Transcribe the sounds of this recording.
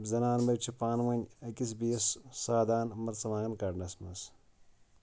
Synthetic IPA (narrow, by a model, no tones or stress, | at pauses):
bzɐnaːnbɐt͡ʃʰipaːnwɐnʲɐkis̬bijɐssaːd̪aːnmɐɾt͡sɐʋaːɐnkɐɖnɐsmɐs